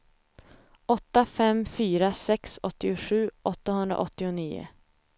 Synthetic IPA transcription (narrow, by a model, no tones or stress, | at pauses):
ʔɔt̪ːafɛmfyːɾasɛksɔ̰t̪ːɪʊɧʉ̟ːʔɔt̪ːaɦɵnd̪ɾa̰ʔɔt̪ːɪʊniːʊ̰